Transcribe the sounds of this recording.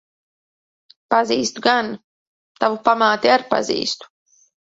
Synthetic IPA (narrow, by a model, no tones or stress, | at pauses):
paziːst̪uɡan | t̪avupamaːt̪iaɾpa̰zḭːst̪u̥